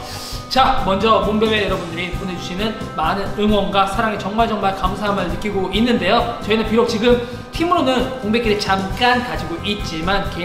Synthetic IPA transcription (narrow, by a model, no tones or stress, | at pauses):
t͡ɕamʌnd͡ʑʌmombjʌe̞jʌɾʌbundɯɾipone̞d͡ʑuɕʰinɯn | manɯnɯŋwʌnɡwasʰaɾaŋe̞t͡ɕʌŋmaɭd͡ʑʌŋmaɭkamsʰaɦamɯɭnɯk͈iɡoinːɯnde̞jot͡ɕʌinɯnpiɾok̚t͡ɕiɡɯm | tʰimɯɾonɯnkoŋbe̞k͈iɾet͡ɕamk͈ankad͡ʑiɡoʔit̚t͡ɕ͈imanke